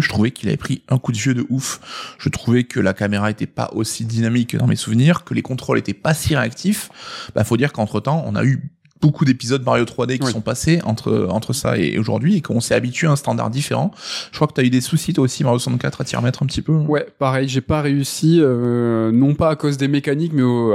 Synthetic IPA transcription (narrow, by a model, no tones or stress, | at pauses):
ʒət̪χuvɛkʰila̰vɛ̰pχiɛ̃kud̪əvjød̪əʔufʒ̥ət̪χuvɛkʰəlakameʁaet̪ɛpa̰ʔosid̪inamikːəd̪ɑ̃mesuvniʁkəlekɔ̃t̪χɔlet̪ɛpasiʁeakt̪ʰifba̰fod̪iʁkɑ̃t̪χət̪ɑ̃ɔ̰̃na̰y | b̥okud̪epizɔd̪̚maʁjot̪χwad̪ekʲisɔ̃paseɑ̃t̪χə̰ɑ̃t̪χəsa̰ḛoʒṵʁd̪ɥiekɔ̃sɛabit̪ɥeaɛst̪ɑ̃d̪a̰ʁd̪ifḛʁɑ̃ʒəkχwakət̪yayd̪esusit̪waosimaʁjosɑ̃kat̪χat̪iʁə̰mɛt̪χɛ̃pət̪ipøɛ̃wɛpaʁɛjʒepaʁeysiønɔ̃paːkozd̪emekanikmɛo